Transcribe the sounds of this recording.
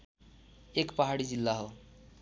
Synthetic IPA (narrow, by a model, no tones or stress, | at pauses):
ekpəɦaɽid͡zilːaɦo